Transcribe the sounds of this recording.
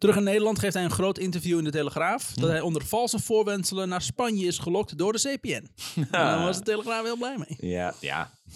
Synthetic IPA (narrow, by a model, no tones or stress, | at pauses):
tərɵχaneːdəlˠɑntχejftɦɛjənχroːtɪntəfjuɪndəteləxraːfdɔtɦɛjɔndərfɑlˠsəfʊːrʋɛnsələnːaːrspanjəɪsχəlɔk̚tdʊːrdəseːpeɛnandɔnʋɔsdəteləxraːfʋɪlˠblɛjmejja̰